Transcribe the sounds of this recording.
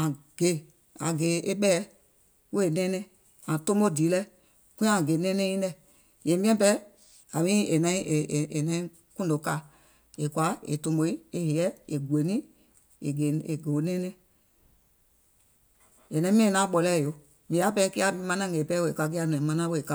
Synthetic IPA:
ã˨ɡ̥e˨˦ | ã˨ɡe˨˦ʔe˦ɓɛ˦ | we˦˨nɛ̃˦nɛ̃˦ | ã˨to˦mo˦di˨˦lɛ˦ | kũ˦ã˨ɡe˨˦nɛ̃˦nɛ̃˦ĩ˦nɛ˦˨ | jɛ̃˨mĩ˦ɛ̃˦pɛ˦ | a˨mĩ˦e˨nã˨˦ĩ˦e˨e˨e˨nɛ̃˦ĩ˦ | kũ˦ndo˨˦ka˦˨ | e˨kwa˨˦ḛ˨to˨mo˨i˦e˨he˨ɛ˦e˨ɡʷe˨˦nĩ˦ | e˨ɡe˨e˨ɡe˨o˨˦nɛ̃˦nɛ̃˦ | e˨nɛ̃˦mĩ˦e˨nã˦ɓɔ˨lɛ˦˨jo˨˦ | mĩ˨a˨˦pɛ˦ki˦a˦mã˧nã˦˨ɡe˨pɛ˦we˨e˨ka˨k̬i˦a˦˨nɛ̃˨mã˦nã˦we˦˨e˨ka˦

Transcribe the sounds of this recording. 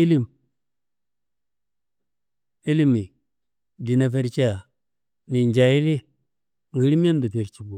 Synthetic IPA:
i˦li˦m | i˦li˦mi˨ | di˨na˦fe˦ɾt͡ʃi˦a˨ | ni˨nd͡ʒa˨i˦li˦ | ŋ˨i˨˦ɾi˦mi˦a˦n˦du˨fe˨ɾt͡ʃi˨bu˨

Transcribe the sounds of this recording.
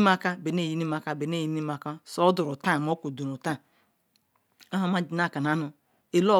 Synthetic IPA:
ma˦ka˦be˨ne˦˨ji˦ni˦ma˦ka˦be˨ne˦˨ji˦ni˦ma˦ka˦so˦du˨ɾu˨ta˦˨mo˦ku˨du˨nu˨ta˦˨ | a˦ɦa˦ma˦d͡ʒi˨na˦˨ka˨n˨a˨˦nu˨ | e˨lo˦˨

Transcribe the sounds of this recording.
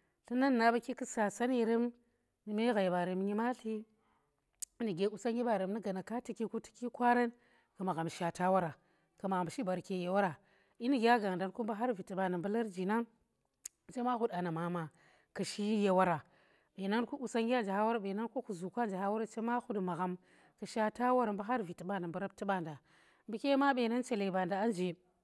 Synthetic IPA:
ɬi˦na˦nː˨a˨ba˦ki˦kɨ˦sa˨sa˦ni˦˨ɾe˦m | ni˨me˦ɣa˨jba˨ɾe˨m˦ɲi˦ma˦ɬi˦ | ni˨ɡe˨˦u˦sa˦ŋɡʲi˦ba˨ɾe˨m˦ni˦ɡa˨na˨ka˦ti˨ki˦ku˦ti̥˦kʲi˦kʷa˦ɾa˦n | ka˨ma˨ɣa˨m˨ʃa˨ta˦wa˦ɾa˨ | ka˨ma˨ɣa˨mʃi˦ba˨ɾke˨je˨wa˦ɾa˨ | i˦ni˨ɡʲa˦ɡa˨ŋ˨da˨nku˦mba˦ɦa˦ɾvi˨ti˨ba˨na˨bə˦la˦ɾd͡ʒi˨na˦ | t͡ʃe˦ma˦xu˦da˨na˨ma˨ma˨ | ka˨ʃi˦je˨wa˦ɾa˨ | ɓe˨na˦nku˦u˨sa˦ŋɡʲa˦nd͡ʒa˨ha˦wa˦ɾa˨ɓe˨na˦nko˦ku˨zu˨kʷa˦nd͡ʒa˨ha˦wa˦ɾa˦t͡ʃe˦ma˦hu˦dma˨ɣa˨m | kɐ˨ʃa˦ta˦wa˦ɾmba˦ɦa˦ɾvi˨ti˨ɓa˦nda˨bə˦ɾa˦b̚ti˦ɓa˦˨nda˨ | bi˦kʲe˦ma˦ɓe˨na˦nt͡ʃe˨le˨ba˨nda˨a˦nd͡ʒe˨

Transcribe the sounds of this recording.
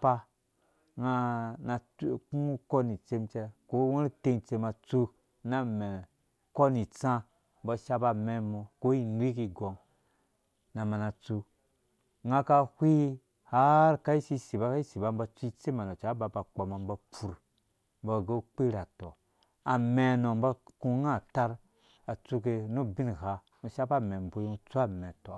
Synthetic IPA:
pa˧ | ŋa˧na˧ku˦u˦kɔ˦ni˨t͡se˧˦mt͡ʃɛ˧ko˦wẽ˦ɾte˧n˨t͡se˧ma˧t͡su˧ | na˦mɛ˨ | kɔ˦ni˨t͡sã˧ | m̩bɔ˧ʃa˧ba˧mɛ˧mo˧ko˦i˧n˦i˦ki˧ɡɔ˨ŋ | na˨ma˧˨na˧t͡su˧ | ŋa˦ka˧hʷi˦ | ha˦ɾka˦i˦si˧si˨ba˧˦ka˦i˦si˨ba˧m̩˦ba˧t͡su˦i˦t͡se˦ma˨no˨t͡ʃa˨˦ba˧ba˨k͡pa˨ma˨m˦ba˧pu˨ɾ | m̩˦bɔ˧˨ɡe˦u˦k͡pe˦ɾa˨tɔ˨ | a˨me˨no˨m˦ba˧ku˧ŋa˦˨ta˧ɾ | a˨t͡su˧ke˧nu˦bi˦n˨ha˧ | nu˧ʃa˦ba˦mɛ˨m˨bo˧˦ji˦u˧˦t͡su˦a˦mɛ˨tɔ˨

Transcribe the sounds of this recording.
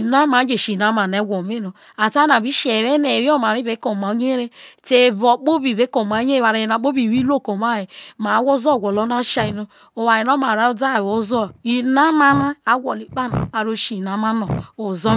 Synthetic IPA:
na˦ma˨˦d͡ʒe˨ʃi˨na˦ma˨n˨e˦ɡʷo˨mi˦no˨ | a˨ta˦na˨bi˦ʃe˨βe˦ne˨ɾi˦o˦ma˨ɾi˦be˨˦ko˨ma˨˦ɲe˦e˦ɾe˦te˨bo˨k͡po˦bi˨be˨˦ko˨ma˨˦ɲ˦e˦˨βa˨ɾe˨na˨˦k͡po˦bi˨wi˦lo˦˨ko˨ma˦˨je˨ma˨˦wo˦zo˦˨ɡʷo˨lo˦na˦ʃa˦i˨no˦ | o˨wa˨ji˨no˦ma˨ɾa˦o˦da˦˨wo˨˦zɔ˦˨i˨na˦ma˦na˦a˦ɡʷo˨li˨k͡pa˦na̰˨a˨ɾo˦ʃi˨na˨ma˦no˨o˨zo˦

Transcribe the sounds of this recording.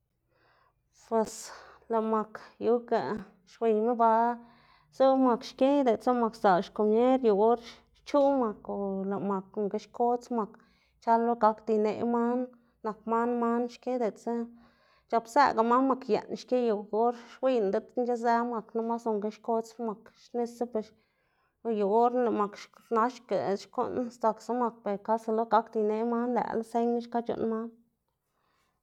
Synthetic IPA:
pwe˨sla˨ma˨kju˧˦ka˨ | ʃwi˨ɲme˦ba˧ | zu˦ma˨kʃke˦jd̪e˨t͡sa˦ma˨ksa˨ʃko˨mje˦ɾju˨ɡo˦ɾ | t͡ʃu˦ma˨ko˨la˨ma˨ko˨ŋɡe˧˦ʃko˦t͡sma˨k | t͡ʃa˦lːo˦ɡa˦kd̪i˧nḛ˧˨ma˦nː | a˨k̚ma˦nma˦nʃke˦d̪e˨t͡sa˦ | t͡ʃa˧psḛ˧ɡa˨ma˦nma˨˧kjḛ˨nʃke˦ju˨ɡo˦ɾʃwi˦nd̪e˦t̪nd͡ʒe˦ze˦ma˨kna˦ma˦so˨ŋɡe˧ʃko˦t͡sma˨kʃne˧se˦pe˨ʃ | ju˨ɡo˦ɾla˨ma˨kʃna˦ʃkḛ˨ʃko̰˦nst̪a˨ksa˦ma˧k̚pe˨ɾka˦sa˧lo˦ɡa˦kd̪i˧jne˧ma˦nlæ̰˨la˦se˦ɲn˦ʃka˦t͡ʃo̰˨nma˦n

